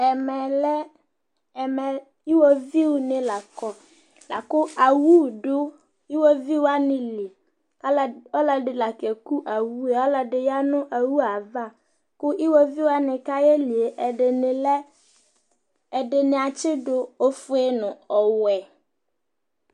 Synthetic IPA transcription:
ɛ˨mɛ˨lɛ˦ | ɛ˨mɛ˨ | i˦wo˦vi˦wʊ˨nɪ̃˦la˨kɔ˦ | la˨kʊ˦a˨wu˦˨ɖʊ˦ | i˦wo˦vi˦wa˦nɪ̃˨li˨ | ka˦lɔ˦la˨dɪ˨la˨kɛ˨ku˦ʔa˨wu˦e˨ɔ˦la˨dɪ˨ja˦nʊ̃˦ʔa˨wu˦a˨va˦˨ | kʊ˦ʔi˦wɔ˦vi˦wa˦nɪ̃˨ka˦jɛ˦li˨e˨ʔɛ˦˨ | dɪ˨nɪ˨a˨t͡ʃɪ˦dʊ˨o˦fʊ˦e˦nʊ̃˨ɔ˨wɛ˨

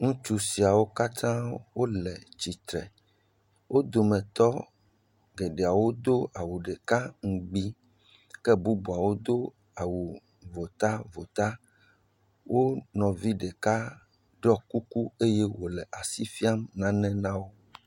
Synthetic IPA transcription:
ŋũ˦t͡ʃu˦si˨a˨wo˦ka˦t̪ʰã˦wo˦lɛ˨t͡ʃi˨t̪ɾɛ̰˨ | wʔo˦d̪o˨mɛ̃˨t̪ɔ˦ | ɡe˨ɖe˨a˨wo˦d̪o˦a˨wu˨ɖe˨ka˦ŋ̩˨ɡ͡bi˦ | kɛ˦bu˦bu˨a˨wo˦d̪o˦ | a˨wu˨ | vo˨t̪a˦vo˨t̪a˦ | wo˦nɔ̃˨vi˦ɖe˨ka˦ | ɖɔ˦ku˦ku˦e˦je˦wo˨lɛ˨ʔa˨si˦fi˦a˦mnã˦nɛ̃˦nã˦wo˦

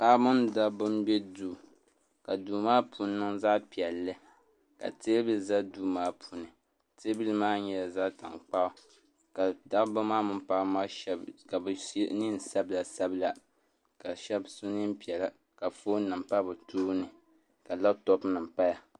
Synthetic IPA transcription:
paː˦bʊ˦nda˦bʊ˦mbɛ˦duː˦ | ka˨duː˨maː˦pʰu˨n˦nɨ˦ŋza˦pi˨ɛ˨lːɨ˦ | ka̰˨te˦bɨ˦za˦duː˦maː˦pʰu˨nɨ˨ | te˦bi˦lɨ˦maː˦ɲɛ˨la˨za˦ta̰˨ŋk͡pa˦ | ka˨da˦ʔba˦maː˦mɨ˦pa˦ma˦ɛ˦ka˨bni˦n̩˨sa˦bla˨sa˦bɨ˦la˨ | ka˨ʃɛ˦bsu˦nɨ˦m˦pi˨ɛ˨la˦ | ka˨fo˦nɨ˨m˨pa˦bɨ˨tʰuː˦nɨ˨ | ka˨la˦btɔ˦pnɨ˨m̩˨pa˦ja˨

